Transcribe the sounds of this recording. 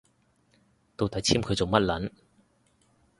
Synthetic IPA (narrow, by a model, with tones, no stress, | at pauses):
t̪o˨˧wt̪ɐ˨˥jt͡sʰiː˥mkʰɵ˨˧ɥt͡so˨wmɐ˥t̚lɐ˨˥n